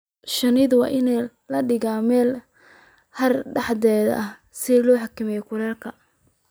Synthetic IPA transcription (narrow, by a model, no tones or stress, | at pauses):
ʃɐnɪðwɑ̰ːʔɪnɛ | lɐɖɪɣaːmɛːl | hɐrɖɑħd̪ɛːðɐ̰ʔɐh | sɪlɔːħɑkʰɪmɛjɔkʰʊɾɛːrkʰɐ